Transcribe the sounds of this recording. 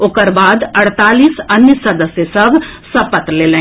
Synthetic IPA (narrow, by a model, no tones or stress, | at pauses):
okəɾbaːd̪əɽ̤t̪aːliːsənːjəsəd̪əsjəsɐbʱsəpət̪leːlẽ